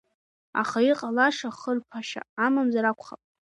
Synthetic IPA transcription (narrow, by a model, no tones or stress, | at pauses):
a̰χaiqʼalaʂaχərpʰaʃa̰ːmamzaɾakʷʰʼχapʼ